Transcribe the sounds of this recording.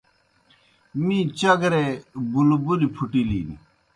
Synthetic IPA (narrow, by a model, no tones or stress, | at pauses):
mĩːt͡ɕɐɡɾebulbulipʰuʈilḭːnḭ